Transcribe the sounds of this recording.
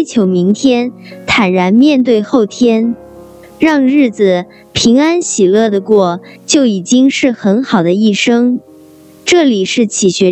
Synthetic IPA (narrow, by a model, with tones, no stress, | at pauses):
t͡ɕʰjo˧˥ʊmi˧˥ŋt̪ʰjɛ˥nt̪ʰa˨˩nɻa˧˥nmjɛ˥˧nt̪̬we˥˧ɪxo˥˩ʊt̪ʰjɛ˥n | ɻɑ˥˧ŋɻɻ̩˥˩d͡z̩˨˩ | pʰi˧˥ŋa˥nɕi˨˩lɤ˥˩d̪ə˩kwɔ˥˩t͡ɕjo˥˩ʊi˨˩t͡ɕi˥ŋʂɻ̩˥˩xə˧˥nxɑ˨˩ʊd̪ə˦i˥˩ʂɤ˥ŋ | ʈ͡ʂɤ˥˩li˨˩ʂɻ̩˥˩t͡ɕʰi˨˩ɕɥɛ˧˥